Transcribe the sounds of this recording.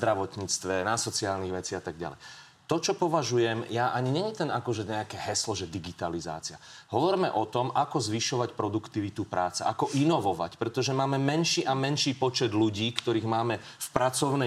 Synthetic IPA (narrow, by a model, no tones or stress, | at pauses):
d̪ɾaʋɔt̪ɲiːt͡st̪ʋɛnasɔt͡siɪaːlniɣʋɛt͡siːat̪aɡ̚ɟa̰lɛ̰j | t̪ɔt͡ʃɔpɔʋaʒujɛmjaʔaɲiɲɛɲit̪ɛnakɔʒɛɲɛakɛɦɛslɔʒɛd̪iɡit̪aliza̰ːt͡sia̰ɦɔʋɔɾmɛʔɔt̪ɔmʔakɔzʋiʃɔʋacpɾɔd̪ukt̪iʋit̪upɾaːt͡sɛʔakɔʔinɔʋɔʋa̰cpɾɛt̪ɔʒɛmaːmɛmɛnʃiːʔamɛnʃiːpɔt͡ʃɛd̪luɟiːkt̪ɔɾiːɣmaːmɛfpɾat͡sɔʊnɛ